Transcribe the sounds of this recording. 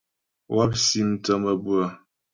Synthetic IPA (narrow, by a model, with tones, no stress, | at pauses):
wa˦p̚si˦n̩˨˦tə˦mə˨bu˦ə˨